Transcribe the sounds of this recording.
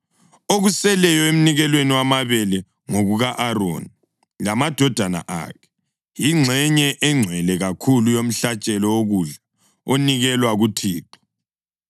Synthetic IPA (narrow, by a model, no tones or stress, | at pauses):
oɣusɛlɛjɔem̩niɣɛlweniwamaβɛlɛ | ŋoɣuɣaʔaɾo̰ni | lamad̥ʱɔd̥ʱana̰ʔa̰ːkʰɛ̥ | jiŋ͡ǁʱɛɲɛʔɛŋ͡ǀʱwɛlɛɣakʰulujom̩ɬat͡ʃʼɛlɔwoɣuɮa | oniɣɛlwaɣutʰiːǃɔ̥